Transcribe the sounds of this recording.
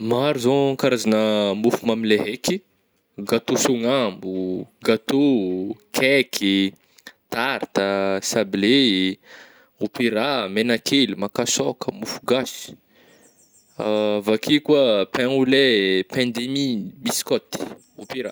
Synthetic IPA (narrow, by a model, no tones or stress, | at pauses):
maɾuzoŋkaɾazanəmufumamileɦeki | ɡat̪usuŋambuɡat̪okʰɛkʰi | t̪aɾt̪asable | upiɾamenakʰelimakasɔkʰəmufuɡasi̥ | avakʰikuapɛ̃ulepɛ̃nd̪emibiskɔt̪i̥ | opiɾa̰